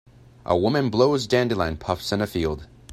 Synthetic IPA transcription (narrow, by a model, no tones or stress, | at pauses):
ʔə̰wʊmɨ̃nbloʊzdæ̃ndilã̰ɪ̃npʰʌfsɨ̃nɨfilˠd̥